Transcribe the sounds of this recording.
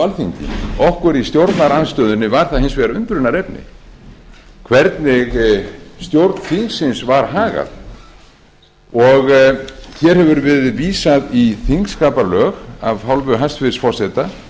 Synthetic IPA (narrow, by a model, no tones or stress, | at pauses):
alθiɲcɪ̰nɔhkʏɾist̪jowɾt̪naɾanst̪œːðʏnːɪvaɾ̥θaðhɪnsvɛːɾaʏnt̪ɾʏnaɾɛpnɪ̰ | kʰvɛɾt̪nɪɣst̪jowɾt̪n̥θiŋksɪnsvaɾ̥ɦaːɣa̰ð | ɔɣçɛɾhɛvʏɾvɪðviːsaðiθiŋkskaːpalœːɣavhawlvʏɦast̪fɪɾsfɔɾ̥sɛt̪a